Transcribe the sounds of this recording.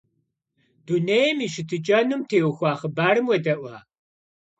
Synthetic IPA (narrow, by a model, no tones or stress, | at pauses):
d̥unejɛmiːʃɨtʰɨt͡ʃʼɐnumtʰeːwxʷaːχəbaːɾɨmwɐdɐʔʷaː